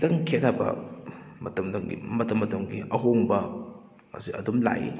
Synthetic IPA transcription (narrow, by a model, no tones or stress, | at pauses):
dɐŋkʰetabɐ̰mɐtɐmdɐŋɡḭmɐtɐmːɐtɐŋɡiɐɦoŋbɐ | ŋa̰siɐ̰dumla̰ʔḭ